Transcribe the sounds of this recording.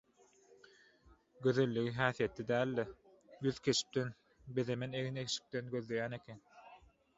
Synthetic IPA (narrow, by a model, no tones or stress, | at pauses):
ɡøðø̞lːyɣiɦæːθijet̪ːid̪æːlːe | jyðkʰʲe̞t͡ʃi̥p̚t̪en | be̞ðemeneɣinekʃi̥k̚t̪enɡøðle̞jæːne̞kʰʲen